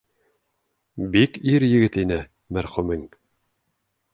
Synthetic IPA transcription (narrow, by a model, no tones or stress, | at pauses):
bikiɾjɘ̆ɡɘt̪inɘ | mæɾχʉmɘŋ